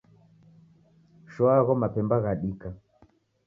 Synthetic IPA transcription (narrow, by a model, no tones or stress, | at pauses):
ʃɔaɣɔmapɛmbaɣaɗika